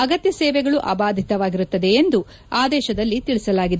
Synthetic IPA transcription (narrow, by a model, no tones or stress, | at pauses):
ɐɡɐt̪jɐseːʋɛɡɐɭuʔɐ̰baːd̪ʱit̪ɐʋaːɡiɾut̪ːɐd̪e̞ːnd̪u | aːd̪ɛːʃɐd̪ɐlːit̪iɭisɐlaːɡid̪e